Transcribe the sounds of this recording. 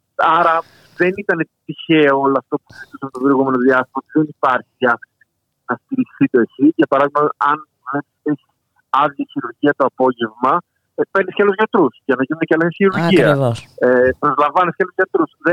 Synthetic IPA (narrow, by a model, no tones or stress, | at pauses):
ɐɾɐ | ðe̞nit̪ɐne̞t̪içe̞oolɐɐft̪opuizit̪usepot̪obeɾoɣume̞no̞ðiɐst̪imɐot̪iðenipɐɾçiɐ | nɐst̪iɾisθit̪o̞esiʝɐpɐɾɐðimɐt̪ɐn | vlepi̥st̪esi̥s | ɐðjɐçiɾuɾʝiɐt̪oɐpo̞ʝe̞vmɐ | peɾniskeɐlozʝɐt̪ɾusʝɐnɐʝinunecɐlɐsiçiɾuɾʝiɐsepɾo̞zlɐɱvɐnesceɐlozʝɐt̪ɾusðe